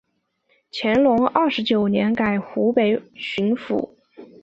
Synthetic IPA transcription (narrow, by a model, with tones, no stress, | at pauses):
t͡ɕʰjɛ˧˥nlʊ˧˥ŋɐ˥˩ʂɻ̩˧˥t͡ɕjo˨˩ʊnjɛ˧˥nka˨˩ɪxu˧˥pe˨˩ɪɕy˧˥nfṵ˨˩˦